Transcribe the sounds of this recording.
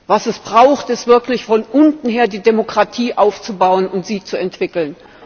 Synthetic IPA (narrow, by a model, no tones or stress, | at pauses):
vasɛsb̥ʁaʊxtɪstv̥ɪɐklɪçfɔnʔʊntn̩ɦeːɐdiːdemokʁ̥atʰiːʔaʊft͡subaʊənʊntz̥iːt͡suɛntv̥ɪkl̩n